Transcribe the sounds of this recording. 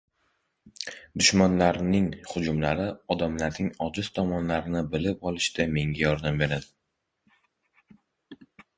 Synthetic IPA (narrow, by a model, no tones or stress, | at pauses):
d̪ʊʃmanlaɾnɪŋhʊd͡ʒʊmlaɾɪɒd̪amlaɾnɪŋɒd͡ʒɪz̥t̪ʰɒmɒnlaɾɪnɪbɪlɪp̚ɒlˠɪʃd̪ame̞ŋɡʲajɒɾd̪ambe̞ɾad̪ɪ